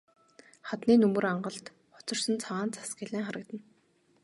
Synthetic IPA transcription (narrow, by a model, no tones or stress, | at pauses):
χat̪niːnɵmɵ̆raɴɢə̆ɮt̪ | χʊ̥t͡sɞ̆r̥sə̆nt͡sʰaʁaːnt͡sʰḁsɡɪɮæːŋχaɾə̆kt̪ə̆n